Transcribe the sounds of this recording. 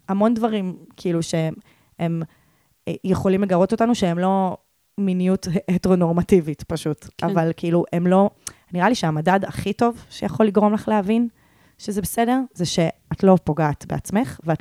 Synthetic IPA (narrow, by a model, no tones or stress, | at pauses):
hamo̞ndvaʁimkʰiiluʃe̞ | em | jeχo̞limleɡaʁo̞to̞tanuʃeemlo̞ | minijuteto̞no̞ʁmativitpaʃutavalkʰiʔiluʔemlo̞niʁaliʃeamadadaχito̞vʃejaχo̞lːiɡʁo̞mlaχleɦavin | ʃezebesede̞ʁzeʃe̞atlo̞po̞ɡaːtbe̞̰at͡sme̞χveat